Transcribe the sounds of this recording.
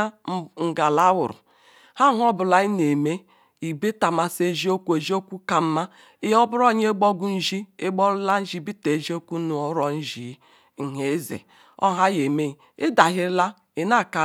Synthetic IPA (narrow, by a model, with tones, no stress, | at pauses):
ŋ̩˨ɡa˨la˦wʊ̰˨ɾʊ̰˨ | ha˦ɦɔ˦bʊ˨la˦i˦ne˨me˦ | i˨be˦ta˨ma˨se˦ʒi˦o˦kʷu˦e˨ʒi˦o˦kʷu˦ka˨m̩˦ma˦ | ɪ˦jɔ˦bʊ˦ɾɔ˦˨ɲe˦ɡ͡bɔ˦ɡu˦n̩˦ʒi˦ɪ˦ɡ͡bɔ˦ɾla˦n̩˦d͡ʒi˦bi˦te˨ʒi˦o˦kʷu˦nu˨ɔ˨˦ɾɔ˨n̩˦ʒi˨˦ | ŋ̩˨ɦe˨˦zḛ˨ | ɔ̰˦ɦa˦je˨me˦˨ | ɪ˦da˨ɦɪ˦ɾla˦ | ɪ˨na˦˨ka˨